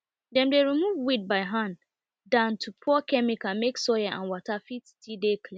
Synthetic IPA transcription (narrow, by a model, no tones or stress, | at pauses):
dɛ̃nmdeɹimuvwid̚baɪɦãn | dãntʰupʰɔkʰɛmikameksɔjaʔã̰nwɔtʰafiti̥tʰidekʰlĩ